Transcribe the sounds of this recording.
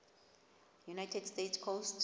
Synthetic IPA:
junajtʰɛdstetskʰost

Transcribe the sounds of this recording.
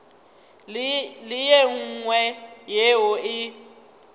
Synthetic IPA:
lɪjeŋ̩ŋwɛjeɦʊɪ

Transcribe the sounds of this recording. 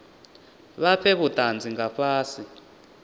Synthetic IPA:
βapʰɛβutand͡zʱiŋɡaɸʰaːsi

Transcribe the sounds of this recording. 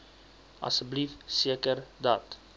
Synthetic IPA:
ɐ̰səblifsiəkərdɑt

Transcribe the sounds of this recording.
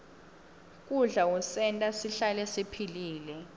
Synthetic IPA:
k̬ʼuɮausɛntʼasiɬalɛsipʰiliːlɛ

